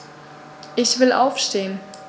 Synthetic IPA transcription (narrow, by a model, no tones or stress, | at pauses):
ʔɪçv̥ɪlʔa̰ʊfʃteːən